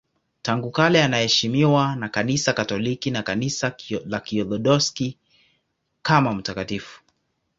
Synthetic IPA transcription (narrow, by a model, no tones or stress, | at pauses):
taŋɡukalɛanahɛʃimiwanakanisakatɔlikinakanisalakiɔlɔdɔski | kamam̩takatifu̥